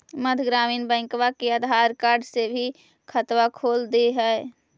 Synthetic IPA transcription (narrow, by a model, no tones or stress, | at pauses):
məd̪ʱɡɾaːmiːnbɛ̃ːŋkʋakeəd̪ʱaːɾkaːɾɖsebʱi | kʰət̪ʋakʰoːld̪eɦɛe